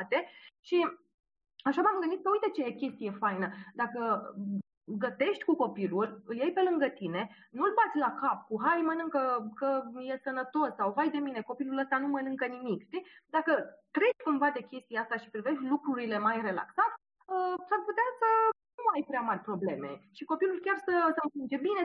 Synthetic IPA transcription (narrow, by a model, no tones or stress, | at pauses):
t̪e̞ʃi | aʃabamɡɨənit̪səujt̪et͡ʃekʲe̞st̪ije̞fajnəd̪akə | ɡət̪e̞ʃt̪ʲkuko̞pilulʲɨljajpe̞lɨŋɡət̪ine̞ | nulbat̪sʲlakapkuɦajmənɨŋkəkəjesənət̪o̞sːawvajd̪e̞mine̞ko̞piluləst̪anumənɨŋkənimikʃt̪id̪akət̪ɾe̞t͡ʃkumvad̪e̞kʲe̞st̪ijast̪aʃi̥pɾive̞ʃt̪ʲlukɾuɾile̞majre̞la̰ksat̪ʲ | əsarput̪easənnuajpɾeamarʲpɾo̞ble̞me̞̰ʃiko̞pilulkʲarsəsəmkind͡ʒe̞bine̞